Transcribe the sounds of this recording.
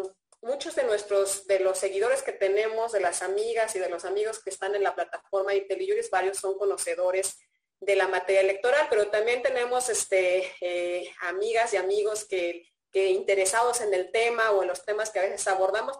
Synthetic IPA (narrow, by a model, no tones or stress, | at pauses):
mut͡ʃo̞zðe̞nwe̞st̪ɾo̞sðe̞lo̞sːe̞ɣiðo̞ɾe̞ske̞t̪e̞ne̞mo̞zðe̞lasamiɣasið̞e̞lo̞samiɣo̞ske̞ːst̪ane̞nlaplat̪afo̞ɾmaint̪eliuɾizβaɾjo̞sːo̞ŋko̞no̞se̞ðo̞ɾe̞z̥ | ðe̞lamat̪e̞ɾjaele̞k̚t̪o̞ɾalpe̞ɾo̞t̪ambje̞nt̪e̞ne̞mo̞sest̪eeamiɣasjamiɣo̞ske | keint̪e̞ɾe̞saðo̞se̞ne̞lt̪e̞maoe̞nlo̞st̪e̞maskeaβesesaβo̞ɾðamo̞s